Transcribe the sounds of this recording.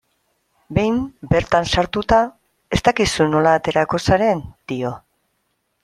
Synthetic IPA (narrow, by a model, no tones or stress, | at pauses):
be̞jmbe̞ɾt̪ansaɾt̪ut̪a | e̞st̪akisuno̞laːt̪e̞ɾako̞saɾe̞nd̪̥io̞